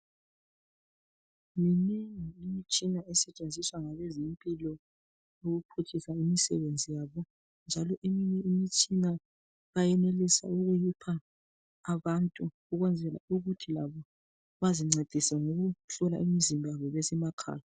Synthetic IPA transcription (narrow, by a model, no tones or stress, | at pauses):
ŋiniŋiimit͡ʃʼinaɛsɛt͡ʃʼend͡zʱiswaŋaβɛzimpʼilɔ | uɣupʰut͡ʃʰisaimisɛ̰βend͡zʱijaːβɔ | nd͡ʒʱalɔʔemiɲɛimit͡ʃʼina | βajɛnelisa̰uɣujipʰaː | βantʼu | uɣwɛnd͡zʱɛla̰uɣutʰilaβɔ | βaziŋ͡ǀed̥ʱisɛŋoɣuɬɔla̰ʔimizimbʱjaβɔβɛsɛmakʰa̰ːja